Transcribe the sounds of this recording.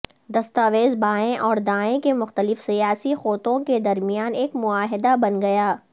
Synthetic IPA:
d̪ɐst̪aːʋeːzbaːẽʔɔːɾd̪ãːẽkemʊxt̪əlɪfsijaːsixoːt̪õked̪ɐɾmijaːneːkmʊaːɦɪd̪abɐnɡɐjaː

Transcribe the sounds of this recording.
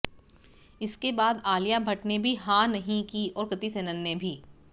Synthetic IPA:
ɪskebaːd̪aːlijabʱɐʈnebʱiɦãːnɐɦĩkiɔːɾkɐt̪isenɐnːebʱiː

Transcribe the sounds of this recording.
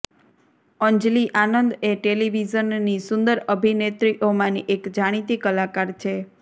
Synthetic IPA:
əɲd͡ʒliʔanənd̪eʈeliʋizənːisʊnd̪əɾəbʱinet̪ɾiʔomãniʔekd͡ʒaɽ̃it̪ikəlakaɾt͡ʃʰe

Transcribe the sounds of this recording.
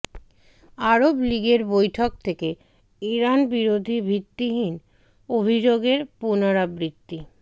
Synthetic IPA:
aɾobliɡeɾbojʈʰok̚t̪ʰeke | iɾanbiɾod̪ʱibʱit̪ːiɦin | obʱid͡ʑoɡeɾpunaɾabɾit̪ːi

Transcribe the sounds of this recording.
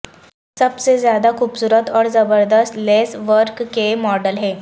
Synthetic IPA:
səbsed͡zjad̪akʰuːpsuɾət̪ɔɾd͡zəbəɾd̪əst̪lesʋəɾkːemɔɖəlɦe

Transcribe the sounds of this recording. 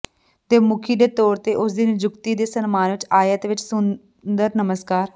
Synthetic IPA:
t̪eːmʊkʰiːd̪eːt̪ɔːɾt̪eːʔʊsd̪ind͡ʒʊkt̪iːd̪eːsənmaːnʋɪt͡ʃaːjət̪ʋɪt͡ʃsʊn | d̪əɾnəməskaːɾ

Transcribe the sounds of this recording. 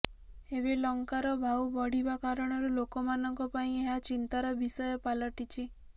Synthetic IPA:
eβelɔŋkaɾɔbʱawbɔɽ̤ibakaɾɔɽ̃ɔɾulokɔmanɔŋkɔpaĩeɦat͡ʃint̪aɾɔbisɔjɔpalɔʈit͡ʃʰi

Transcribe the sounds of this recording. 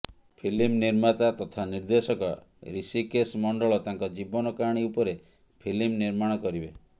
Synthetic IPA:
pʰilimniɾmat̪at̪ɔt̪ʰaniɾd̪esɔkɔ̰ | ɾisikesmɔɳɖɔɭɔt̪aŋkɔd͡ʒibɔnɔkaɽ̃iupɔɾe | pʰilimniɾmaɽ̃ɔkɔɾibe

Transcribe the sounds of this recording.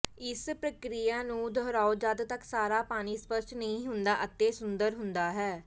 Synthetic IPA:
ɪspɾəkɾijaːnũːd̪əɦɾaːod͡ʒad̪t̪əksaːɾaːpaːñiːspəsʈnəĩːɦʊnd̪aːʔət̪ːeːsʊnd̪əɾɦʊnd̪aːɦɛː

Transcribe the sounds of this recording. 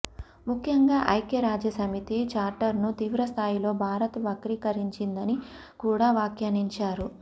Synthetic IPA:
mukʰjɐŋɡaːʔɐjkjɐɾaːd͡ʒjɐsɐmit̪it͡ʃaːɾʈɐɾnut̪iːʋɾɐst̪ʰaːjilo̞ːbʱaːɾɐt̪ʋɐkɾiːkɐɾiɲt͡ʃind̪ɐni | kuːɽaːʋaːkjaːniɲt͡ʃaːɾu

